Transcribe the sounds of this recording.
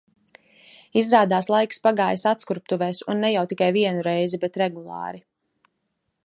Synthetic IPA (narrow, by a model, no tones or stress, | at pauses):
izɾaːd̪aːslˠajkspaɡaːjsat̪skuɾp̚t̪uvɛːsunːɛjawt̪ikajviɛnuɾɛjzibɛt̪ɾɛɡulˠɑ̰ːɾi